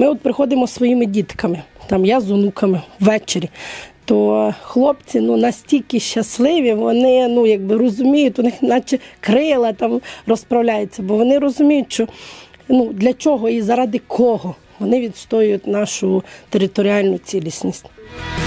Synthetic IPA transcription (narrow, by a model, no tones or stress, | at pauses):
mɪɔt̪̚pɾɪxɔd̪ɪmɔsʋɔjimɪdʲit̪kɐmɪt̪ɑmjazʊnukʰɐmɪʋʋɛt͡ʃeɾʲit̪ɔxlˠɔpt͡sʲinunɐsʲtʲilʲkɪʃːɐslˠɪʋʲiʋɔnɪnujɐɡ̚bɪɾɔzʊmʲijʊtʲʋɔnɪxnɑt͡ʃɛkɾɪlˠɐt̪ɑmrɔspɾɐwlʲajet͡sʲːɐbɔʋɔnɪɾɔzʊmʲijʊtʲʃt͡ʃɔnud̪lʲɐt͡ʃɔɦɔizɐɾɑd̪ɪkʰɔɦɔ | ʋɔnɪʋʲid̪st̪ɔjʊjʊtʲnɑʃʊt̪eɾɪt̪ɔɾʲiɑlʲnʊt͡sʲilʲisʲnʲisʲtʲ